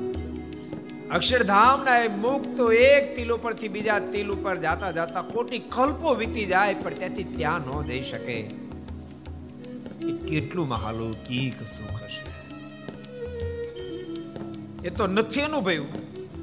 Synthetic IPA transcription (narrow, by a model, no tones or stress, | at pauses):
əkʃəɽd̪ʱamnaemukʰt̪oek̚t̪ilopəɾt̪ʰibid͡ʒat̪ilupəɾd͡ʒat̪ad͡ʒat̪akoʈikəlpoʋit̪id͡ʒajpəɳt̪jãt̪ʰit̪jãnɔ̃d͡ʒəiʃəke | ekeʈlũma̰ɦa̰lũkiksukʰəʃa | et̪onət̪ʰiənũbʱəjũ